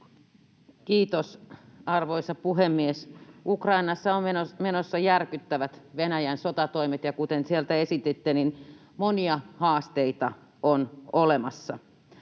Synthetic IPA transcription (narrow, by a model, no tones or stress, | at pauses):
kiːt̪osɑrʋoisɑpuɦemːiesukrɑinɑsːɑomenmenosːɑjærkyt̪ːæʋæt̪ʋenæjænsot̪ɑt̪oimet̪jɑkut̪ensielt̪æesit̪et̪ːenin | moniɑhɑːst̪eit̪ɑ | onolemɑsːɑ̰